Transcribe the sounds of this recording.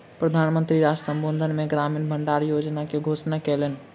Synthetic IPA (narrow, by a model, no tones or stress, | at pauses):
pɾəd̪ʱanmənt̪ɾiɾad͡ʒəsə̃mbond̪ʱənmeɡɾamiːnbʱəɳɖaɾjod͡ʒnakeɡʱosnakɛlen